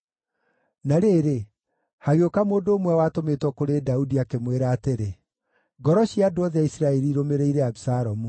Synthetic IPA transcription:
naɾeːɾe | haɣeokamoːndoːmwɛwaːtometwɔkoɾedaudiakemweɾaːteɾe | ɡɔɾɔɕiadoɔðɛaisiɾaɛɾiɾomeɾeiɾɛabisaɾɔmu

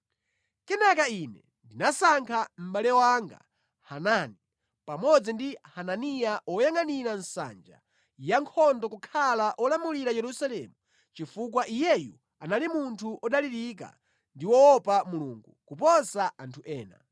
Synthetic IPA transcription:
kɛnakainɛ | ndinasaŋkʰam̩ɓalɛwaŋɡa̰ | hanani | pamɔd͡zindihananijaʔɔjaŋaniɾansa̰nd͡ʒa̰ | jaŋkʰɔndɔkukʰalaʔɔlamuliɾajɛɾusalɛmu | t͡ʃifuk̬waʔijɛju | analimuntʰuʔɔɗaliɾik̬a̰ | ndiwɔɔpamuluŋɡukupɔsaantʰuʔɛːna̰

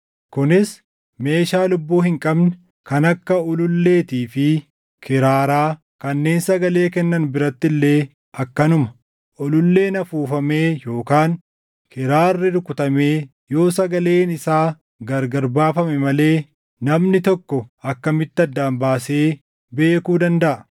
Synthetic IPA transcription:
kʊnɪs | me̞ːʃaːlʊbːoːhɪŋkʼɐbnɛ | kɐnɐkːɐɔlʊlːe̞ːt̪iːfɪ | kʰɪɾaːɾaː | kɐnːe̞ːnsɐɡɐle̞ːkɛnːɐnbɪɾɐt̪ːɪlːe̞ː | ɐkːɐnʊmɐ̥ | ɔlʊlːe̞ːnɐfuːfɐme̞ːjo̞ːkaːn | kɪɾaːrːɪɾʊkʊt̪ɐme̞ː | jo̞ːsɐɡɐle̞ːnɪsaː | ɡɐɾɡɐɾbaːfɐmɛmɐle̞ː | nɐmnɪt̪ɔkːɔɐkːɐmɪt̪ːɪɐd̪ːaːnbaːse̞ː | be̞ːkuːd̪ɐnd̪ɐʔɐ

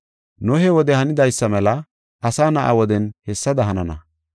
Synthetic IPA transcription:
nʊɦɛwɔd̪ɛhɐnɪd̪ɐjsːɐmɛlɐ | ɐsaːnɐʔa̰wɔd̪ɛnhɛsːɐd̪ɐɦɐnɐnɐ̰

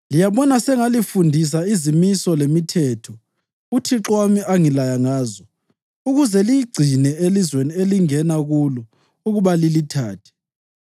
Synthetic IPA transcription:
lijaβɔnasɛŋalifundʱis̬aizimisɔlemitʰɛːtʰɔ | utʰiǁwamiʔaŋilajaŋaːzɔ | uɣuzɛlijiɡ͡ǀʱinɛelizwenieliŋɛnaɣulɔ | uɣuβalilitʰa̰ːtʰɛ̥

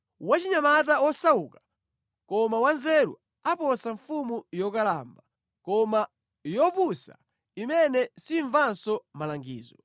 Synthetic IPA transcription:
wat͡ʃiɲamat̬awɔsawuːkḁ | kɔmawanzɛɾṵ | apɔsaɱfumujɔkalaːmba | kɔma | jɔpusa | imɛnɛsiɱvansɔmalaŋɡḭːzɔ

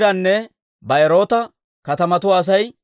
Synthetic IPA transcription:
ɾɐnːɛ | bɐɛɾo̞ːt̪ɐ | kɐt̪ɐmɐt̪ʊwaːs̬ɐj

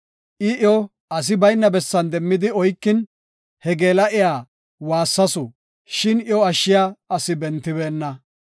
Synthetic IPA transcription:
ʔɪʔɔ | ɐs̬ɪbɐjnːɐbɛsːɐnd̪ɛmːɪd̪ɪɔjkːɪn | hɛɡe̞ːlɐʔɪjaː | waːsːɐsʊ | ʃɪnjɔɐʃːɪjaːɐsɪbɛnt̪ːɪβeːnːɐ

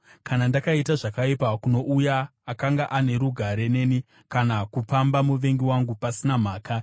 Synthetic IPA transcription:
kanandakaitaʐakaipakuno̞ʔujaːkaŋɡaʔane̞ɾuɡʱaɾe̞ne̞ni | kanakupambamuʋe̞ŋɡiwaŋɡupasinam̤aːka

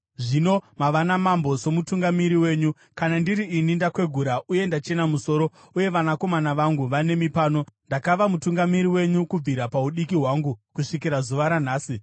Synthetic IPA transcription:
ʐino̞maʋanamambo̞so̞mutuŋɡamiɾiwe̞ːɲu | kanandiɾiinindakwe̞ɡʱuɾaʔuje̞ndat͡ʃe̞namuso̞ːɾo̞ | uje̞ʋanako̞manaʋaŋɡuʋane̞mipaːno̞ndakaʋamutuŋɡamiɾiwe̞ɲukub͡viɾapauɗikiɦwaːŋɡukuʂikiɾazuʋaɾan̤aːsi

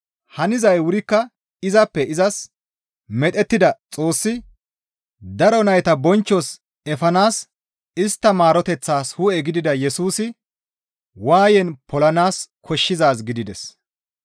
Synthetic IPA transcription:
hɐnɪzɐjwʊɾɪkːɐ | ɪzɐpːɛɪzɐs | mɛt̪ʼɛt̪ːɪd̪ɐt͡sʼo̞ːsːɪ | d̪ɐɾɔnɐjt̪ɐbɔnt͡ʃːɔs | ɛfɐnaːs | ɪst̪ːɐmaːɾɔt̪ɛt͡sːaːshʊɛɡɪd̪ɪd̪ɐjɛsuːsɪ | waːjɛnpɔlɐnaːskʰɔʃːɪzaːs̬ɡɪd̪ɪd̪ɛs

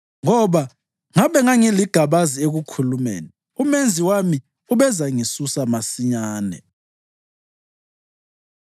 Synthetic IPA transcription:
ŋɔɓa | ŋaɓɛŋaŋiliɡ̥ʱaɓazieɣukʰulumḛːni | umend͡zʱiwami | uɓɛzaŋisusamasiɲaːnɛ̰

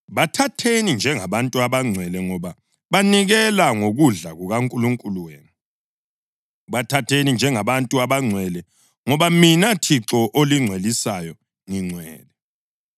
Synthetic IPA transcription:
βatʰatʰenind͡ʒʱɛŋaβantʼuaβaŋ͡ǀʱwɛlɛŋɔβa | βaniɣɛlaŋoɣuɮaɣuɣaŋkʼuluŋkʼuluweːnu | βatʰatʰenind͡ʒʱɛŋaβantʼuaβaŋ͡ǀʱwɛlɛ | ŋɔβaminatʰiǁɔʔoliŋ͡ǀʱwelisajɔ | ŋiŋ͡ǀʱwɛ̰ːlɛ

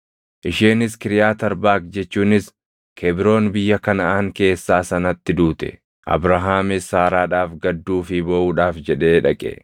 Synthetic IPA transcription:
ʔɪʃeːnɪskɪɾɪjaːt̪ɐɾbaːk̚d͡ʒɛt͡ʃːuːnɪs | kʰɛbɪɾo̞ːnbɪjːɐkɐnɐaːŋke̞ːsːaːsɐnɐt̪ːɪd̪uːt̪ɛ̥̰ | ʔɐ̰bɾɐɦaːmɪsaːɾaːᶑaːfɡɐd̪ːuːfɪboʔuːᶑaːfd͡ʒɛᶑe̞ːᶑɐkʼɛ̰

